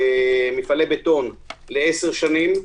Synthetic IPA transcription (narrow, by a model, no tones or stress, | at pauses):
emifalebet̪o̞nleeseʁʃanim